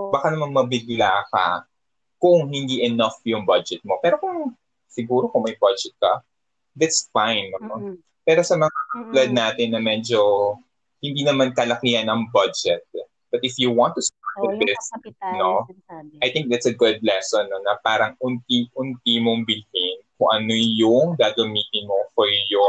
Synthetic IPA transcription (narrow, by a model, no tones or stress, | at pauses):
bakanɐmaŋmɐbɪɡlaːkɐ̰ | kʊŋhɪnd̪iʔɛnɐfjʊŋbɐd͡ʒɛt̪̚mopɛːɾokʊŋ | sɪɡuːɾokʊŋmɐjbɐd͡ʒɛt̪̚kɐ̰ | d̪æt̪sfãjnːo | pɛːɾo̞sɐmɐŋaʔplɐd̪̚naːt̪ɪnːɐmɛd͡ʒo̞ | hɪnd̪iːnɐmankɐlɐkihɐnɐŋbɐd͡ʒɛt̪̚ | b̥ɐt̪̚ɪfjuwɑ̃nt̪ːust̪aɹt̪̚ɐd̪ɪsnoʔajt̪ɪ̃ŋk̚d̪ɐt̪sɐɡʊd̪̚lɛsɔnːonɐpaːɾɐŋʊnt̪iʔʊnt̪imoŋbɪlɪnkʊŋʔɐnojʊŋɡaːɡɐmiːt̪ɪnmofɔɹjʊ